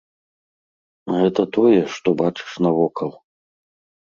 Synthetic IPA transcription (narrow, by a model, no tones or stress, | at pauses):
ɣɛt̪ɐt̪ɔjɛʂt̪ɔbat͡ʂɨ̥ʂnɐvɔkʰɐlˠ